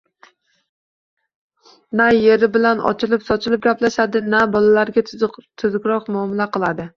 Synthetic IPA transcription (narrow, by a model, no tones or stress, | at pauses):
næjeɾɪbɪlanɒ̰t͡ʃʰɪlˠɪpsɒt͡ʃʰɪlˠɪp̚ɡʲaplaʃad̪ɪnæbɒlˠalaɾɡʲat̪ʰʊzɡʲɾɒqmuɒːmɪlaqʰɨlˠad̪ɪ